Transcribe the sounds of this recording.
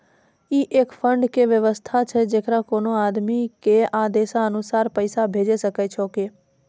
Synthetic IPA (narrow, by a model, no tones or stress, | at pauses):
iʔekfəɳɖkeʋjəʋəst̪ʰat͡ʃʰed͡ʒekɾãkonoad̪mikead̪esaənusaɾpəjsabʱed͡ʒeʃəkajt͡ʃʰoke